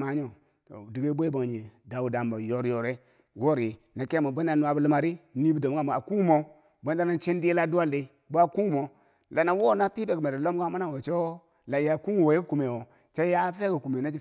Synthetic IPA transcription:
ma˨˦ɲo˦˨ | to̰˨di˨ɡe˦bo˦i˦bo˨ŋ˨ɲe˨da˨wu˨da˨mba˨jo˨ɾjo˨ɾe˦ | wo˦ɾi˨ | na˨ke˦mo˨ba˦n˦a˨nu˦a˨bu˦lu˦ma˨ɾi˦ni˦bu˦do˨m˦a˦˨m˨a˨ku˦mo˦ | bo˦n˦da˦na˦n˦t͡ʃe˦n˦di˦je˦la˦du˦wa˦le˦ | bo˦a˦ku˦ŋ˦mo˨ | la˨na˨wo˦na˦ti˦be˨kme˨ɾe˨lo˦m˦ɡa˦ma˦na˦wo˨t͡ʃe˦ | la˨ja˨ku˦ŋ˨wo˨je˦ku˦ku˨me˨wo˨ | t͡ʃe˦ja˦fe˦ku˨ku˨me˨na˦d͡ʒi˦

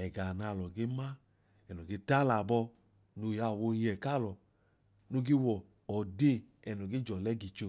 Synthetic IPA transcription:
ɛ˨ɡa˨na˧˨lɔ˨ɡe˦ma˦ | ɛ˨nɔ˨ɡe˧˦ta˦la˨bɔ˧ | no˧˨ja˧˨wo˧ji˦ɛ˨ka˦˨lɔ˨ | no˧˦ɡe˦wɔ˨ | ɔ˨de˦˨ | ɛ˨nɔ˨ɡe˦d͡ʒɔ˨lɛ˦ɡi˧t͡ʃo˧

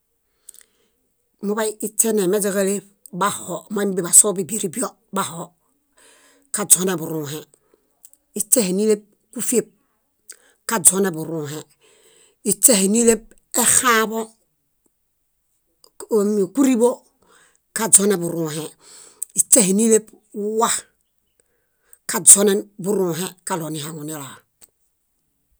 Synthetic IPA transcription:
mu˦ba˦ii˦t͡ʃe˦ne˨me˦d͡ʒe˦ɡa˦le˦ | ba˦ho˨ma˦i˦m˦bi˦˨ba˨so˦bi˦bi˨ɾi˦bi˦o˦ | ba˨ho˨ | ka˨d͡ʒo˦ne˨bu˨ɾuː˨ɦe˨ | i˦t͡ʃːe˦he˨ni˦le˦b̚ | ku˦fe˦p̚ | ka˨d͡ʒo˦ne˨bu˨ɾuː˨ɦe˨ | i˦t͡ʃe˦he˨ni˦le˦b̚ | e˦xa˦bo˦˨ | ku˦ɾi˦bo˦ | ka˨d͡ʒo˦ne˨bu˨ɾu˨ɦe˨ | i˨t͡ʃe˦hi˨ni˦le˦b | u˦wa˦h | ka˨d͡ʒo˦ne˦bu˦ɾũː˨ɦe˦ka˨lo˨ni˨ɦa˨ŋu˨ni˦la˨

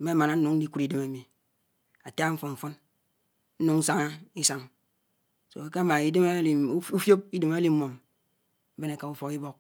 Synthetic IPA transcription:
m̩˦me˦a˦ma˨na˦n̩˦nu˨ŋn̩˦di˦ku˨ɾi˦de˦ma˨˦mi˨ | a˨ta˦ɱ̩˦fo˨ɱ̩˨fɔ˦n | n̩˦nu˨ŋ̩˦sa˦ŋa˦i˦sa˦ŋ | so̰˨a˨ke˦a˦ma˨i˦de˦m˦lu˦fjo˦p̚i˦de˨ma˦li˦m˦mo˨m̩˦ | be˦ne˨ka˨u˦fo˨ki˦bo˦k̚

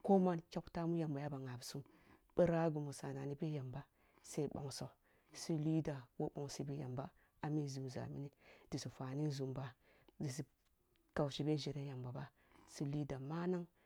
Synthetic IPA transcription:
ko˦ma˦nt͡ʃʲa˦kta˦mu˦ja˨mba˨ja˦ba˨ŋa˨bsu˦m | b̥ə˦ɾa˦ɡu˨mu˨sa˨na˨ni˦be˦ja˨mba˦ | se˦i˦ɓo̰˨ŋsa˨ | si˦li˦da˨wo˦ɓo˨ŋsi˦bi˦ja̰˨mba˦ | a˨mi˦˨zu˨m˨za̰˨mi˦ni˦d̥i˨si˨fa˨ni˦n˦zu˨mba˦ | di˨s̬i˨ | ka˨wʃi˨be˦ʒi˨ɾe˦ja˨mba˨ba˦˨ | si˦li˦da˨ma˦na˦ŋ

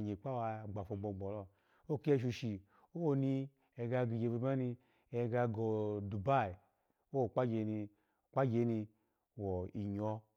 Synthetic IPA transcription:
ɲe˨k͡pa˦wa˧˨ɡ͡ba˨fo˧ɡ͡bo˨ɡ͡bɔ˨lɔ˧ | o˦ki˦e˦˨ʃ̬u˧ʃi˨ | o˦ni˧ | e˨ɡa˧ɡi˨ɡe˧bi˧ma˦ni˧ | e˧˨ɡa˧ɡo˨du˨ba˦˨i˨ | o˦˨k͡pa˦ɡe˨˧˦ni˧˨ | k͡pa˦d͡ʒe˧˦ni˧ | wɔ˨i˨ɲɔ˦

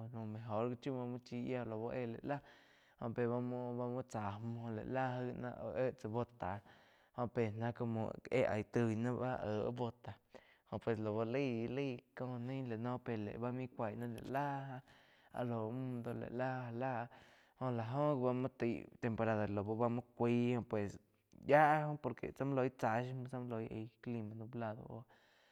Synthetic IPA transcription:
nũ˧˨mẽ˨ɦo˨˦ɾɡi˧t͡ʃu˦mã˧mũ˦t͡ʃiː˧ʔja˧˨lo˨bo˧ʔe˦˧˨lḛ˨la˦ | hõ˧ʔpe˨βa˧m˦ba˧mũ˦t͡sa˨mõ˧lḛ˨ʔla˦ɦɨ˦˧nã̰˧ʔʔe˦ʔt͡sə˧bo˧t̪a˨ | hõ˧˨pe˨nã˦ko˧mõ̰˧˨ḛ˦ʔa˨jt̪ɨ˧jnã˦a˦ʔəː˨ʔbo˧t̪a˨ | hõ˧ʔpwe˧˨slo˨βo˧li˦˨˧li˦˨ko˧ni˦le˨no˦pe˨lḛ˨ba˦mi˦kʷa˨jna˦lḛ˨la˦ɦa˧ | a̰˧lo˨˧˦mu˦d̪o˧lḛ˨la˦a˧la˦˧ | ho˧la˨ɦo˦kba˧ma˦t̪i˧jt̪e˨mpo˨˧ɾa˧d̪a˨lo˨ba˧ba˦mo˦kʷi˧˦ho˧pwe˨s | ja˦ʔho˦po˧ɾkḛ˨t͡sa˦m˦lo˧jt͡sa˧ʃma˧t͡sa˦m˦lo˧jḛ˧jkli˧ma˧d̪u˧bla˧d̪o̰˨o̰˧

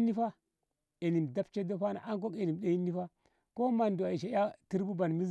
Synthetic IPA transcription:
ni˦fa˦ | e˨ni˨mda˦pt͡ʃe˦do˦fa˦na̰˨ʔa˦ŋk̬o˦ke˨ni˨m˨ɗa˦i˦nːi˦fa˦ | ko˦ma˨ndu˨a˨i˨ʃa˨˦a˦ti˦ɾbu˦ba˨nmi˦

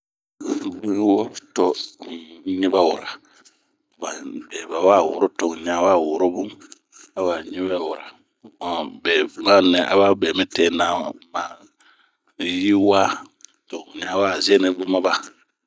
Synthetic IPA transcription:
bu˦wɔ˦tɔ˦ | ɲi˦ba˦wʊ˨ɾa˨ | ba˨bɛ˨ba˨wa˦˨wʊ̰˨ɾo˦tɔ˨ŋ˨ɲ˨a˨wa˦˨wʊ˨ɾo˦bu˦ | a˨wa˨ɲĩ˦bɛ˦˨wʊ˨ɾa˨ | a˨bɛ˨bu˨ŋa˦nɛ̃˨ʔa̰˨ba˦bɛː˨mĩ˦tɛ˦na˦˨ma˨ | ji˦waː˦to˨ŋ˨ɲ˨a˨waː˦˨zɛ˦nɛ˦bu˦ma˦ba˦

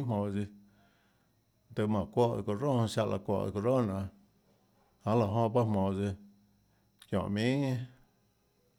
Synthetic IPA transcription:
mõ˨d͡zi˧ | d̪ə˧mã˨kʷo˦ʔko˧ɾo˦hʃa˧ʔlʔa̰˧˨kʷo̰˧˨ʔko˧ɾo˦˨nã˨ | hã˨˦la˨ɦõ˧ba˦mõ˨d͡zi˧ | kjõ̰˨ʔmĩ˦ŋẽ˦

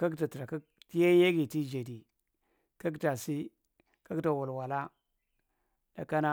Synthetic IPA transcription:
ka˦kta˨ti˨ɾa˨ka˦ | ti˦ja˦je˦ɡi˨ti˦d͡ʒe˨di˨ | ka˦k̬ta˨si˦ | ka˦kta˨wa˨lwa˨la˦ | da̰˨ka˦na˦

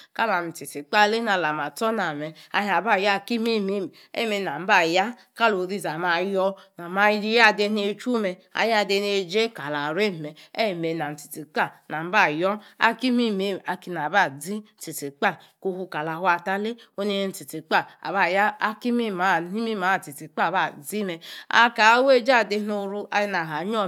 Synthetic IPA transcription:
ka˦la˨mi˨ti˨ti˨k͡pa˦˨le˦na˨la˨ma˨tɔ˦na˨mɛ˨a̰˨ɦa˨ba˦˨ja˦˨ki˦mi˦mi˦˨m˨ḛ˦˨me˨na˨m̩˦ba˦˨ja˦ | ka˦lo˨ɾi˦˨za˨ma˨jɔ˧na˨ma˧˨˦i˦ja˦˨de˧ne˨˦t͡ʃu˦me˧a̰˨ja˦˨de˧ne˨d͡ʒe˦ka˨la˨ɾe˦˨me˨e˦˨me˨na˨n̩˨ti˨ti˨k͡pa˦˨na˨m̩˦ba˦˨jɔ˦a̰˦ki˦mi˦me˨a˨ki˧na˨ba˦˨d͡zi˦n̩˦ti˨ti˨k͡pa˦˨ | ko˧hu˧ka˨la˨hwa˨ta˦le˦o˦ne˦e˦n̩˦ti˨ti˨k͡pa˦˨a̰˨ba˦˨ja˦a˦ki˦mi˦ma˨˦˨ni˦mi˦ma˨˦˨ti˨ti˨˦k͡pa˦˨ba˦˨d͡zi˦me˨a̰˦ka˨˦we˦˨d͡ʒa˦˨de˦no˧ɾu˧a̰˨ji˦na˨ɦa˨˦ɲ˦ɔ˦˨

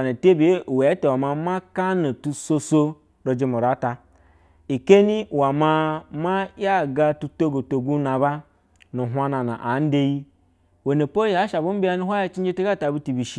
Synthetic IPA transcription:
na˨te˦bi˨˦˨we˨˦te˨wa˨ma˧ma˦ka˦no˨tu˨so˦so˦ | ɾo˨d͡ʒe˦mo˨ɾa˨˦ta˧ | i˨ke˦ni˦wa˨ma˦ma˦ja˦˨ɡa˧tu˧to˦ɡo˨to˨ɡu˦na˨ba˦ | nu˨ɦʷa˦na˨na̰˨ʔa˨˦n̩˦de˦ji˦ | wo˨ne˨po˦ja˨˦ʃa˨bu˦m̩˦bi˦ja˦nu˦ɦʷa˦ja˦t͡ʃi˦d͡ʒe˦te˦ɡa˦˨ta˨bu˦ti˨bi˨ʃi˦

